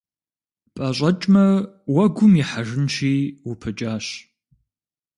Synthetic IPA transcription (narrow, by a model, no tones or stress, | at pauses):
pʼɐɕʷʼɐt͡ʃʼmɐ | wɐɡʷʊmiħaʒɪnʃiːwʊpʰɨt͡ʃʼaːɕ